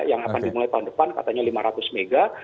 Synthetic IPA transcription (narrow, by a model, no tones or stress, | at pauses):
jaŋakandimulajt̪aɦʊundəpanka̰t̪aɲalimaɾat̪ʊsmeɡa